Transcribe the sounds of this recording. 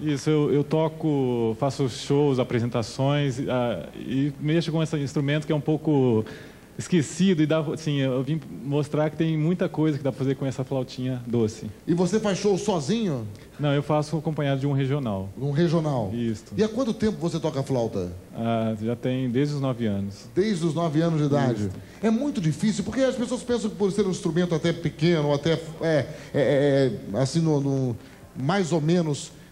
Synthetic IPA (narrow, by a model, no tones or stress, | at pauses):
isʊewewt̪ɔkʊfasʊʃowzapɾezẽnt̪asõj̃saɪmeʃʊkõɛsɐĩst̪ɾumẽnt̪ʊkɪɛũpowkʊ | ɪskesid̪ʊɪd̪aasĩeewvĩmost̪ɾakɪ̥t̪ẽj̃mũj̃t̪ɐkojzɐkɪd̪apɾɐfazeɾkõɛsɐflawt͡ʃĩɲɐd̪osɪɪvosefajsʃowsɔzĩɲʊ | nɐ̃w̃ewfasʊakõpɐ̃ɲ̃ad̪ʊd͡ʒɪũɦeʒionawũɦeʒionawist̪ʊɪakwɐ̃nt̪ʊt̪ẽmpʊvoset̪ɔkɐaflawt̪ɐ̰aʒat̪ẽj̃d̪ezd͡ʒɪʊznɔvɪɐ̃nʊsd̪ejzd͡ʒɪʊznɔvɪɐ̃nʊzd͡ʒɪid̪ad͡ʒɪ | ɛmũj̃t̪ʊd͡ʒifisiwpoɾkeɐspesoɐspẽs̬ɐ̃w̃kɪpoɾseɾũĩst̪ɾumẽnt̪ʊat̪ɛpekẽnʊoat̪ɛfɛɛɛasĩnũnũ | majzomẽnʊs